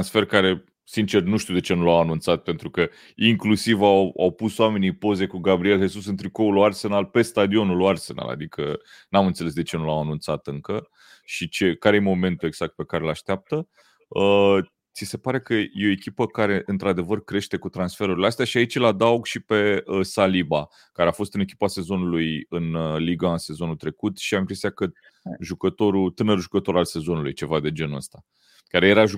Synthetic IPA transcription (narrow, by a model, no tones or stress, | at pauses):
ansfe̞rkaɾe̞ | sint͡ʃe̞rnuʃt̪iuwd̪e̞t͡ʃe̞nulawanunt̪sat̪̚pe̞nt̪ɾukə | iŋklusivawa̰wpusoame̞nijpo̞ze̞kuɡabɾie̞lɦe̞susɨnt̪ɾikouloarse̞nalpe̞st̪ad̪io̞nuloarse̞̰na̰la̰d̪ikʰə̰ | namɨnt̪se̞le̞s̬d̪e̞t͡ʃe̞nulawanunt̪sat̪ɨŋkə | ʃit͡ʃe̞kaɾe̞jemo̞me̞nt̪ue̞ɡz̥ak̚t̪̚pe̞kaɾelaʃt̪eap̚t̪ə | ə | t̪sise̞paɾe̞kəje̞oe̞kʲipəkaɾe̞ʔɨnt̪ɾad̪e̞vərkɾe̞ʃt̪e̞kut̪ɾansfe̞ɾuɾileast̪eaʃiait͡ʃelad̪auɡʃipe̞əsaliba | kaɾe̞afo̞st̪ɨnekʲi̥pase̞zo̞nulujɨnliɡase̞zo̞nut̪ɾe̞kut̪ʃiaimkɾest̪ijakə | ʒukət̪o̞ɾut̪ɨnəɾʒukət̪o̞ɾalse̞zo̞nulujt͡ʃe̞vad̪e̞d͡ʒe̞nə̰st̪a | kaɾeje̞ɾaʒu